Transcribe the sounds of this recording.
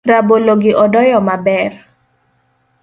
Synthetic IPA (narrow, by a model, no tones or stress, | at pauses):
raboloɡɪʔɔdɔjɔmabɛr